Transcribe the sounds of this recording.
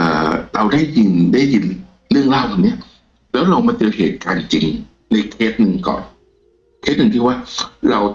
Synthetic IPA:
ʔɤː˨˩ɾa˧wda˥˩jːi˧ndaː˥˩ji˧n | lɯ˥˩əŋlaː˧˩wkʰa˧˩nːi˦˥ɐ | lɛː˦˥wɾa˧wmaː˧nt͡ɕɯ˧heː˨˩t̪̚kaː˧nt͡ɕi˧ŋ | na˧jkʰeː˦˥t̪̚nɯ˧ŋkɔ̰ː˨˩n | kʰeː˦˥t̪̚nɯ˧ŋt̪ʰiː˧˩waː˥˩ɾa˧w

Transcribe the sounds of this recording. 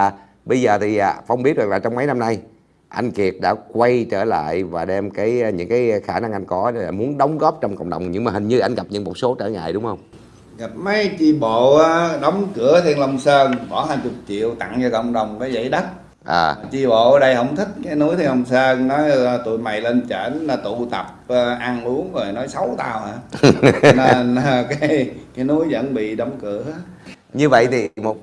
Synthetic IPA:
ɓə˧jzəː˨˩t̪ʰi˨˩ʔa̰˨˩fa˧wŋ͡mɓi˦˥ət̚z̚laː˨˩t͡ɕɔ˧wŋ͡mmə˨˦jna˧mna˧j | ʔa˧jŋ̟ki˨˩ət̚ɗa̰ː˧˥kwa˧jt͡ɕəː˧˩la̰ː˧˨jvaː˨˩ɗɛ˧mkaː˨˦jɲɨ̰˧˥ŋkaː˨˦jxaː˧˩na˧ŋʔa˧jn̟kɔ˨˦ɗa̰ː˧˩mu˨˦ənɗə˨˦wŋ͡mɣɔ˦˥p̚t͡ɕɔ˧wŋ͡mkə̰˧˨wŋ͡mɗə˨˩wŋ͡mɲɨ̰˧˥ŋmaː˨˩hï˨˩ŋɲɨ˧ʔa˧jŋ̟ɣa˨˩p̚ɲɨ̰˧˥ŋmo˨˩t̚so˨˦t͡ɕə̰ː˧˩ŋa̰ː˧˨jɗʊ˨˦ŋ͡mhə˧wŋ͡m | ɣa˨˩p̚mə˨˦jt͡ɕi˧ɓo̰˧˨aː˨˦ɗə˨˦wŋ͡mkɨ˨˧˩ət̪ʰe˧nlə˧wŋ͡msəː˧ŋɓɔ˧˩˦ɦaː˧˩nt͡ɕʊ˨˩p̚t͡ɕḭ˧˨əwt̪a̰˧˨ŋt͡ɕɔ˧kə̰˧˨wŋ͡mɗə˨˩wŋ͡mkaː˨˦jzə̰˧˥jɗə˦˥t̚ | ʔəː˨˩maː˨˩t͡ɕi˧ɓo̰˧˨ʔəː˨˦ɗə˧jhə˧˩wŋ͡mt̪ʰï˦˥k̟̚kaː˨˦jnu˨˦˥əjt̪ʰe˧nlə˧wŋ͡msəː˧ŋnɔ˨˦jt̪ṵ˧˨jma̰˨jle˧nt͡ɕəː˧˨˦na˨˧t̪u˧˨t̪ə˨˩p̚əː˧ʔa˧nlu˨˦əŋzo˨˩jnɔ˨˦jsa˨˦wt̪aː˧wʔaː˨˧˩ | n˧kaː˨˦jjkaː˨˦jnu˨˦əjzə̰˧˥nɓḭ˧˨ɗɔ˨˦wŋ͡mkɨ˧˩˦ə | ɲɨ˧və̰˧˨jt̪ʰi˨˩mo˨˩t̚

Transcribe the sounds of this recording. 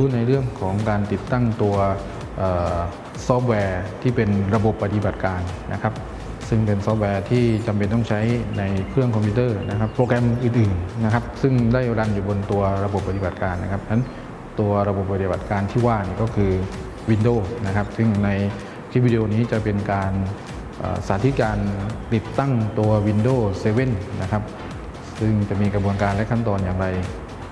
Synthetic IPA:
uː˦˥na˧jɾɯ˥˩əŋkʰɔː˩˦ŋkaː˧nt̪i˨˩t̪ːa˥˩ŋt̪u˧ɐ | ʔɤː˨˩ | sɔː˦˥p̚wɛː˧t̪ʰiː˥˩pe˧nɾa˧bo˨˩pːa˧t̪i˧ba˨˩t̪̚kaː˧nːʔa̰˦˥kʰa˦˥p̚ | sɯ˥˩ŋpe˧nsɔː˦˥p̚wɛː˧t̪ʰiː˥˩t͡ɕa˧mpe˧nt̪ɔː˥˩ŋt͡ɕʰa˦˥jna˧jkʰɾɯ˥˩əŋkʰɔ˧mpʰiː˧˥t̪ɤː˥˩na˦˥kʰa˦˥ppːɾoː˧kɛ˧mʔɯː˨˩nʔɯː˨˩nːa˦˥kʰa˦˥p̚sɯ˥˩ŋda˥˩jɾa˧njuː˨˩bo˧nt̪u˧ɐɾa˧bo˨˩pːa˧t̪i˨˩ba˨˩t̪̚kaː˧nːa˦˥kʰa˦˥p̚na˦˥n | t̪u˧ɐɾa˧bo˨˩p̚ːa˧t̪i˧˩ba˨˩t̪̚kaː˧nt̪ʰiː˥˩waː˥˩niː˥˩kɔː˥˩kʰɯː˧ | wi˧ndoː˥˩na˦˥kʰa˦˥p̚sɯ˥˩ŋna˧j̪ʰ | i˦˥wiː˦˧di˧ʔoː˧niː˦˥t͡ɕa˨˩pe˧nkaː˧n | ʔa̰ː˨˩saː˩˦˥t̪ʰi˦˥t̪̚kaː˧nt̪i˨˩t̪ːa˥˩ŋt̪u˧ɐwi˧ndoː˥˩seː˧we˥˩nna˦˥kʰa˦˥p̚ | sɯ˥˩ŋt͡ɕa˨˩miː˧kɾa˧bu˧ənkaː˧nlɛ˦˥kʰa˥˩nt̪ɔː˧njaː˨˩ŋɾa˧j

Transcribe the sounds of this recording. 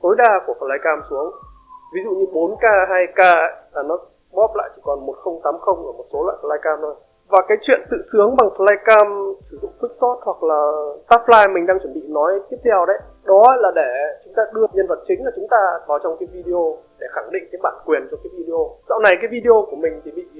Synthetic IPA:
t̪o˨˦jɗaː˧˩ku˧˩əfə˨˧˩laː˧jkaː˧msu˨˦əŋ | vi˨˦zṵ˧˨ɲɨ˧ɓo˨˦nkaː˧ɦaː˧jkaː˧˦laː˨˩nɔ˨˦ | ɓɔ˦˥p̚la̰ː˧˨jt͡ɕi̥˧˩kɔ˨˩nmo˨˩t̚xə˧wŋ͡mt̪aː˨˦mxə˧wŋ͡mʔəː˧˩mo˨˩t̚so˨˦la̰ː˧˨jfə˧˩laː˧jkaː˧mno˨˩j | vaː˨˩kaː˨˦jt͡ɕwḭ˧˨ənt̪ɨ̰˧˨sɨ˨˦əŋɓa˨˩ŋfə˧˩laː˧jkaː˧msɨ˧˩zʊ̰˧˨ŋ͡mt̪ʰɨ˦˥k̚sɔ˦˥t̚hwa˨˩k̚laː˨˩t̪aː˦˥p̚laː˧jmï˨˩ŋ̟ɗaː˧ŋt͡ɕwə˧˩nɓḭ˧˨nɔ˨˦jt̪i˦˥əp̚t̪ʰɛ˧wɗə˨˦j | ɗɔ˨˦˧laː˨˩ɗe˧˩t͡ɕʊ˨˦ŋ͡mt̪aː˧ɗɨ˧əɲə˧nvə˨˩t̚t͡ɕï˨˦ŋ̟laː˨˩t͡ɕʊ˨˦ŋ͡mt̪aː˧kɔ˨˦t͡ɕɔ˧wŋ͡mkaː˨˦jvi˧ɗi˧o˧ɗe˧˩xa˧˩ŋɗḭ˧˨ŋ̟kaː˨˦jɓaː˧˩nkwi˨˩ənt͡ɕɔ˧kaː˨˦jvi˧ɗi˧ʔo˧za̰˧˨wna˨˩jkaː˨˦jvi˧ɗi˧ʔo˧ku˧˩əmï˨˩ŋ̟t̪ʰi˨˩ɓḭ˧˨

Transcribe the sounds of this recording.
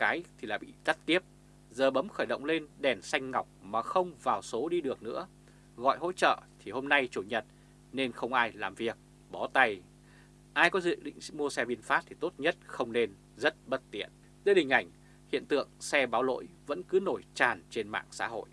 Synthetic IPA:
kaː˨˦jt̪ʰi˨˩laː˨˩ɓḭ˧˨t̪ə˦˥t̚t̪i˦˥əp̚ | zəː˨˩ɓə˨˦mxəː˧˩jɗə̰˧˨wŋ͡mle˧nɗɛ˨˩nsa˧jŋ̟ŋa˨˩wk͡p̚maː˨˩xə˧wŋ͡mvaː˨˩wso˨˦ɗi˧ɗɨ˨˩ək̚nɨ̰˧˥ə | ɣɔ̰˧˨jɦo̰˧˥t͡ɕə̰ː˧˨t̪ʰi˨˩ho˧mna˧jt͡ɕu˧˩ɲə˨˩t̚ | ne˧nxə˧wŋ͡mʔaː˧jlaː˨˩mvi˨˩ək̚ | ɓɔ˨˦t̪a˧j | ʔaː˧jkɔ˨˦zɨ̰˧˨ɗḭ˧˨ŋ̟mu˧əsɛ˧ɓi˧ənfaː˦˥t̚t̪ʰi˨˩t̪o˦˥t̚ɲə˦˥t̚xə˧wŋ͡mne˧n | zə˦˥t̚ɓə˦˥t̚t̪ḭ˧˨ən | zeː˨˦hï˨˩ŋ̟ʔa˧˩jŋ̟ | hḭ˧˨ənt̪ɨ̰˧˨əŋsɛ˧ɓaː˨˦wlo̰˧˥jvə̰˧˥nkɨ˨˦no˧˩jt͡ɕaː˨˩nt͡ɕe˧nma̰ː˧˨ŋsa̰ː˧˥ɦo̰˧˨j

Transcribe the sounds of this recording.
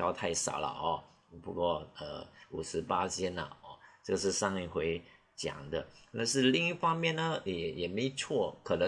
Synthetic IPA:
jɑ˥ʊt̪ʰa˥˩ɪʂɑ̰˨˩ʊlə̰˨˧ɔ˧˩ | pu˧˥kwɔ˥˧ə̰˧u˨˩ʂɻ̩˧˥pa˥t͡ɕʰjɛ˥nə̰˨˩ɔ˧˩ʈ͡ʂɤ˥˧ɡə˩ʂ̬ɻ̩˥˧ʂɑ˥˧ŋi˥˩xwe˧˥ɪ | t͡ɕjɑ̰˨˩ŋd̪ə˦t̪a˥˧nʂɻ̩˥˧li˥˧ŋi˥fɑ˥ŋmjɛ˥˩nnə˦jɛ˨˩jɛ˨˩me˧˥ɪ˨˩t͡sʰwɔ˥˩kʰɤ˨˩nə˧˦

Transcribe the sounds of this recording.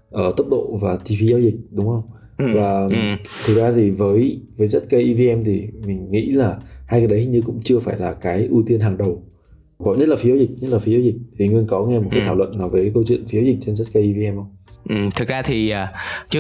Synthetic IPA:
ʔəː˧˩t̪ə˦˥p̚ɗo̰˧˨vaː˨˩t̪i˧fi˧zaː˧wzi˨˩k̟̚ɗʊ˨˦ŋ͡mhə˧wŋ͡m | vaː˨˩t̪ʰɨ˨˩k̚zaː˧t̪ʰi˨˩vəː˨˦jvəː˨˦jza˦˥t̚kə˧jʔi˧vi˧ʔɛ˧mt̪ʰi˨˩mï˨˩ŋ̟ŋḭ˧˥laː˨˩haː˧jkaː˨˦jɗə˨˦jhi˨ɲɨ˧kʊ̰˧˥ŋ͡mt͡ɕɨ˧əfaː˧˩jlaː˨˩kaː˨˦jʔu˧t̪i˧ənɦaː˨˩ŋɗə˨˩w | kɔ˨˦ɲə˦˥t̚la˨˩fzaː˨˧wzi˨˩k̟̚ɲ˦˥t̚la˨˩fi˨˦zaː˧˦zï˨˩k̟̚t̪ʰi˨˩ŋɨ˧ənkɔ˨˦ŋɛ˧m̚˨˩aː˨˦kt̪ʰaː˧˩wə̰˧˨nːaː˨˩wvəː˨˦kə˧wt͡ɕwḭ˧˨ənfi˨˦zaː˨˦wzï˨˩k̚t͡ɕe˧nza˦˥t̚kə˧ji˧vi˧ɛ˧mʔə˧wŋ͡mʔɨ˨˩t̪ʰɨ˨˩k̚zaː˧t̪ʰi˨˩aː˨˩t͡ɕɨ˧

